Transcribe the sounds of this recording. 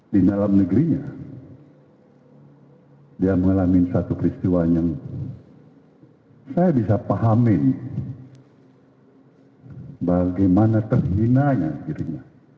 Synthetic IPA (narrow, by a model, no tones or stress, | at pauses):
didalamnəɡɾiɲa | diaməŋalamɪnsat̪upəɾist̪iwaɲəŋ | sajabisapaɦamɪn | baɡajmanat̪ərhinaɲaɡiɾiɲa